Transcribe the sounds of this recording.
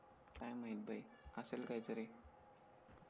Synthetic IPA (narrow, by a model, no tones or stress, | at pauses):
kajmaɦil̚bʱaj | əselkajt͡səɾe